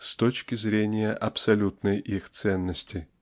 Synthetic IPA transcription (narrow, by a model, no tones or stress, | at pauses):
st̪ot͡ɕkʲɪzɾʲenʲɪjəʔɐpsɐlʲut̪nəjʔixt̪sɛnːəsʲtʲɪ